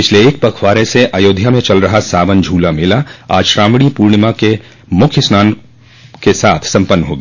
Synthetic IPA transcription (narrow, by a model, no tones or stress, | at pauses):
pɪt͡ʃʰleeːk̚pɐkʰʋaːɾeseʔajoːd̪ʱjamẽt͡ʃɐlɾɐɦasaːbənd͡ʒʱuːlamɪlaa̰ːd͡ʒʃɾãːmɽipuːɾɳmãke | mʊkʰjəsnaːn | kesaːt̪ʰsɐ̃mpənːɦo̰ːɡeː